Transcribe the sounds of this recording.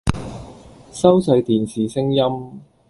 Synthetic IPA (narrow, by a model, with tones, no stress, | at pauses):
sɐ˥wsɐ˨˧jt̪iː˨˩nsiː˨˩sɪ˥ŋjɐ˥m